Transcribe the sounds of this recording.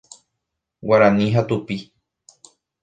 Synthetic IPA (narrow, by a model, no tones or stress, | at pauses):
waɾãnĩɦat̪upi